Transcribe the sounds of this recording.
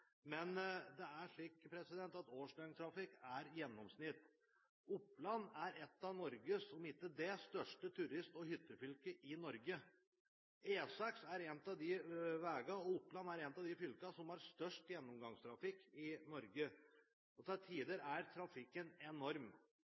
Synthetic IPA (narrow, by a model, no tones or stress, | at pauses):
mɛnd̪ɛæʂɭiːkpʰɾɛsɪd̪ɛnt̪ɑt̪oːʂɖœnt̪ʰɾɑfɪkːæɾjɛnːɔmsnɪt̪ː | ʊpːlɑnːæɾɛt̪ːɑnɔɾɡəsɔmɪt̪ːəd̪ɛst̪œʂʈət̪ʰʉɾɪst̪ɔhʏt̪ːəfʏlkəʔɪnɔɾɡə | eːsɑksæɾɛnt̪ɑʋd̪ɪʋæːɡɑɔʊpːlɑnæɾɛnt̪ɑʋd̪ɪfʏlkɑsɔmæɾst̪œʂʈjɛnːɔmɡɑŋst̪ʰɾɑfɪkːɪnɔɾɡə | ɔt̪ʰɛlt̪ʰiːd̪əɾæɾt̪ʰɾɑfɪkːənɛnɔɾm